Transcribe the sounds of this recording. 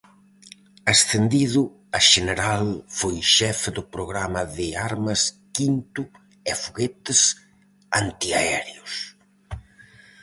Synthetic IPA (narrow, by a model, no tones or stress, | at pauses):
ɐsθend̪iðʊ | ɐʃeneɾalfojʃɛfðʊpɾoɣɾamɐðɪaɾmɐs | kint̪ʊ | ɛfuɣet̪ɪs | ant̪iaɛɾeʊs